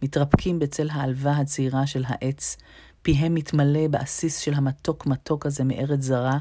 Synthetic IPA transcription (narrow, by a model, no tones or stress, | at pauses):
mitʁapkʰimbet͡se̞lɦaːlvaɦat͡siʁaʃe̞lɦa̰ʔe̞t͡s | piɦe̞mːitmale̞beʔasisʃelɦamato̞kmato̞khaze̞meʔe̞ʁet͡szaʁa